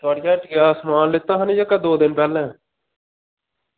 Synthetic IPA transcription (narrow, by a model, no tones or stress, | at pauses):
t̪aːɽɪjãːʈɪaːsəmaːnlɪt̪ːãːɦənĩːd͡ʒəkaːd̪oːd̪ɪnpɛːlɛ̃ː